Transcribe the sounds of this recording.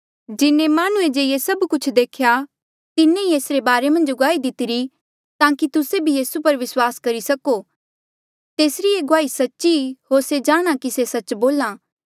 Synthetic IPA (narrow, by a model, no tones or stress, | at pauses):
d͡ʒɪnẽmaːñʊẽd͡ʒeiesɐbkʊt͡ʃʰd̪eːkʰja | t̪ɪnːẽieːsɾebaːɾemɐ̃nd͡ʒɡʊaːid̪ɪt̪ɪɾi | t̪ãːkit̪ʊsebʱijiːsupɐɾʋɪswaːskɐɾisɐko | t̪eːsɾieɡʊaːisɐtːʃiɦoːɾsed͡ʒaːɽ̃akisesɐt͡ʃboːlaː